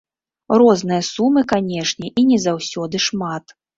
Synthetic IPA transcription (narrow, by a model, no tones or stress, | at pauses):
rɔznɨjɐsumɨkanʲɛʂnʲɛʔinʲɛzawsʲɔd̪ɨʂmat̪